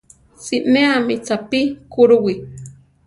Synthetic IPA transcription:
siʔmeamit͡sapikuɾuwi

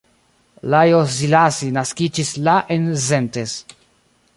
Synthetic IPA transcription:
lajozilasinaskid͡ʒislaʔenzentes

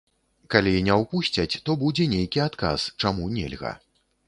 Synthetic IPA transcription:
kalʲinʲɛwpusʲt͡sʲɐt͡sʲt̪ɔbud͡zʲɛnʲejkʲiat̪ka̰st͡ʂamunʲḛlʲɣɐ̰

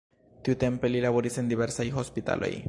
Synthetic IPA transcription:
t̪iute̞mpe̞lilaβo̞ɾise̞nd̪iβe̞ɾsajxo̞spit̪a̰lʔo̰j

